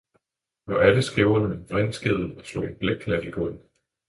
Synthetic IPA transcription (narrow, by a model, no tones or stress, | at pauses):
nɒʔæləsɡ̥eʊɐnəed̥ʁɛnsɡ̥e̝ðˠn̩ɒslo̰enb̥leɡ̥̚kʰlæsiɡ̥ɔ̽nn̩